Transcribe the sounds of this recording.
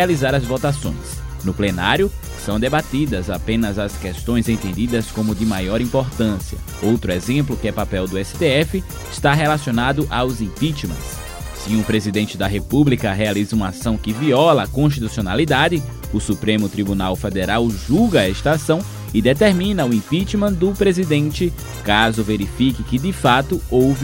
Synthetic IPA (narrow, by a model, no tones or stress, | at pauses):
alizaɾɐzvot̪asõ̰j̃snʊplenaɾjʊ | sɐ̃w̃d̪ebat̪id̪ɐzapẽnɐzɐskɛst̪õj̃zẽnt̪ẽnd̪id̪ɐskõmʊd̪ɪmajɔɾĩpoɾt̪ɐ̃siɐ̰ | owt̪ɾʊezẽmplʊkɪɛpapɛwd̪ʊɛsɪ̥t̪eɛfɪ | ɪst̪aɦelasionad̪ʊʔawzẽpit͡ʃimɐ̰s | sɪũpɾezid̪ẽnt͡ʃɪd̪ɐɦepublikɐɦealizɐũmɐasɐ̃w̃kɪviɔlɐːkõsʃt̪it̪usionalid̪ad̪ɪ | ʊsupɾẽmʊt̪ɾibunawfed̪eɾawʒuɡɐɛst̪aasɐ̃w̃ | ɪd̪et̪eɾmĩnɐʊẽpit͡ʃimɐ̃d̪ʊpɾezid̪ẽnt͡ʃɪ | kazʊveɾifikɪkɪd̪ɪfat̪ʊowv